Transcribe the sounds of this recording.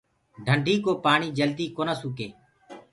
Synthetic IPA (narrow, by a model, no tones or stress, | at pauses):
ɖʱəɳɖʱiːkoːpaːɳiːd͡ʒəld̪iːkoːnaːsuːkeː